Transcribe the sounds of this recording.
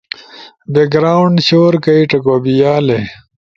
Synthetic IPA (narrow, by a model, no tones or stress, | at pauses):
beɡɾaːwɳɖɕoːɾkɐiʈɐkobijaːle